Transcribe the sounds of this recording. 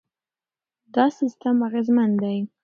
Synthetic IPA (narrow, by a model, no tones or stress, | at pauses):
d̪ɑsist̪amaɣezmand̪aj